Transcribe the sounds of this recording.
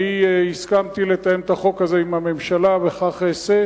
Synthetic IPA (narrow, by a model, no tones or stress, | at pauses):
ihiskamt̪ilet̪ajemt̪aχo̞kazeimame̞mʃalabeχaχese